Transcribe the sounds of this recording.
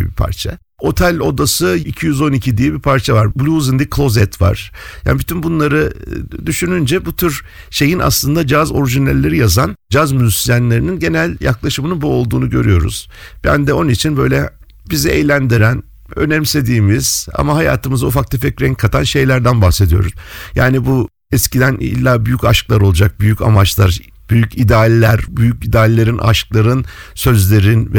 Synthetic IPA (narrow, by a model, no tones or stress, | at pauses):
ɛbipʰa̰ɾt͡ʃʰa̰ | o̞t̪ʰælʲo̞d̪asɯicʰijyzo̞nicʰid̪ijɛbipʰaɾt͡ʃʰavaɾblʲuzind̪ikʰlˠo̞zɛt̪ʰva̰ɾ̥ja̰ːnibit̪ʰynbunlˠaɾɯd̪yʃynynd͡ʒɛbut̪ʰyɾʃe̞jinʔa̰slˠɯnd̪ad͡ʒazo̞ɾiʒinælʲːe̞ɾijazand͡ʒazmyzysijænlʲe̞ɾininɟe̞nælʲja̰klˠaʃɯmɯnɯnbuo̞lˠd̪uːnuɟøɾy̰jo̞̰ɾṵz̥bæ̰nd̪ɛo̞nit͡ʃʰinbø̞jlʲɛ | bizɛʔɛjlʲænd̪iɾæn | ø̰nɛmse̞d̪iːmiz̥a̰maɦaja̰ːt̪ʰɯmɯzaufak̪ˠɯfɛkɾɛŋkʰːat̪ʰanʃe̞jlʲæɾd̪ænbaxsed̪ijo̞̰ɾuz̥jaːnibu | ɛscid̪ænḭlʲːaːbyjycaʃklˠaɾo̞lˠud͡ʒak̚byjyca̰mat͡ʃlˠaɾ | b̥yjycʰid̪aːlʲelʲæɾbyjycid̪aːlʲelʲeɾinʔa̰ʃklˠaɾɯnsø̞zlʲe̞ɾinvɛ